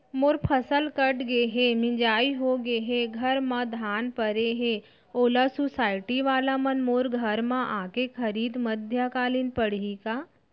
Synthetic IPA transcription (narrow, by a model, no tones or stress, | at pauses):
moːɾpʰəsəlkəʈɡeɦemɪ̃d͡ʒaːiɦoɡeɦeɡʱɐɾmãd̪ʱaːnpəɾeɦe | oːlasusaːɪʈiʋaːlamɐnmoːɾɡʱɐɾmãʔãːkekʰɐɾiːd̪məd̪ʱjakaːliːnpəɽ̤ikaː